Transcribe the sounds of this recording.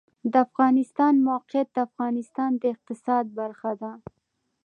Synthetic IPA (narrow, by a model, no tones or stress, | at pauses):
d̪əafɣɑnɪst̪ɑnmawqɪjat̪̚d̪əafɣɑnɪst̪ɑnd̪əɪq̚t̪ɪsɑd̪̚baɾxad̪a